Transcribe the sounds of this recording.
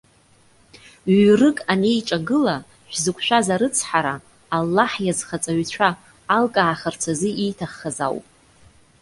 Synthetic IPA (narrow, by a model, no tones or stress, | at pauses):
ɥrɨkʼane̞jʈ͡ʂʼaɡɨla | ʃᶣʷzɨkʷʰʃʷᶣazaɾɨt͡sʰħaɾaː | lːaħjazχat͡sʼaɥt͡ɕʷʰaː | lkʼaːχart͡sʷʰazɨijtʰaχːaza̰wpʼ